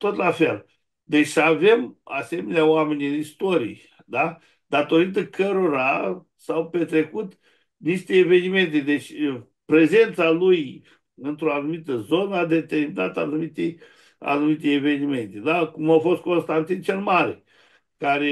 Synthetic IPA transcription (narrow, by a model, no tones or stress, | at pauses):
t̪o̞t̪lafe̞̰l | d̪e̞t͡ʃʲave̞mase̞meneaoame̞nʲɨnist̪o̞ɾḭe | d̪a | d̪at̪o̞ɾit̪əkʰəɾo̞ɾa | sawpe̞t̪ɾe̞kut̪ | niʃt̪e̞ːve̞nime̞nt̪ed̪e̞t͡ʃʲ | pɾe̞ze̞nt̪saluj | ɨnt̪ɾo̞anumit̪əzo̞nəad̪e̞t̪e̞rminat̪əanumit̪e | a̰numit̪̬eeve̞nime̞nt̪ed̪akumawfo̞st̪̚ko̞nst̪ant̪int͡ʃe̞lmaɾḛ | kaɾe